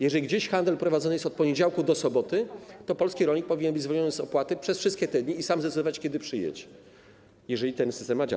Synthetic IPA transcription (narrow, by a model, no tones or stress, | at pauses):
jɛʐɛlʲɡd͡ʑeɕxand̪ɛlpɾɔvad̪zɔnɘjɛst̪ɔt̪̚pɔɲed͡ʑawkud̪ɔsɔbɔt̪ɘt̪ɔpɔlskʲiɾɔɲik̚pɔvʲiɲɛnbɘd͡ʑzvɔlɲɔnɘzɔpwat̪ɘpʂɛsfʂɘst̪̚kʲɛt̪ɛd̪ɲiːsamzd̪ɛt̪d̪ɔvat͡ɕkʲɛd̪ɘpʂɘjɛ̰t͡ɕ | jɛʐɛlʲit̪ɛnsɘ̥st̪ɛmːad͡ʑa̰